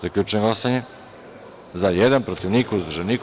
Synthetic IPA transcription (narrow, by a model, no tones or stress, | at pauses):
zaklʎʲut͡ʃeneɡlasaɲe | zajed̪anpɾot̪iʋnikuzd̪ɾʒenik